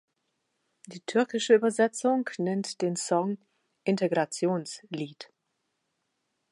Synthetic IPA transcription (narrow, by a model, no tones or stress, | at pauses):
d̥iːtʰʏɐkɪʃəyːbɐzɛt͡sʊŋnɛntd̥eːnsɔŋ | ʔɪnteɡʁat͡sjoːnsliːt